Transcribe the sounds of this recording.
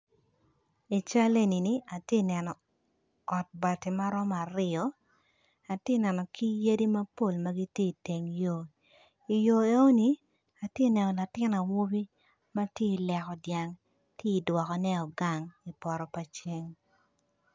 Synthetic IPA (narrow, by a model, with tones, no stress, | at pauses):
i˨t͡ʃa˦le˦ni˨ni˨ʔa˨tje˦nɛ˨nɔ˨ | ɔ˨t̚ba˨ti˨ma˦ɾɔ˦ma˨ɾɪ˦ɔ˨˦ | a˨tje˦nɛ˨nɔ˨kʰi˦je˦di˦ma˦po˦˨lma˦ɡi˦tje˦i˨te˨ŋjo˦ | i˨jo˨e˦o˦ni˨ | a˨tje˦nɛ˨nɔ˨la˨tɪ˦na˨wo˦bi˦ | ma˦tje˦i˨lɛ˨kɔ˨dja˨ŋ | tje˦i˨dwɔ˨kɔ˨nɛ˦ɔ˨ɡa˨ŋi˨pɔ˨ɾɔ˨pa˨t͡ʃe˦ŋ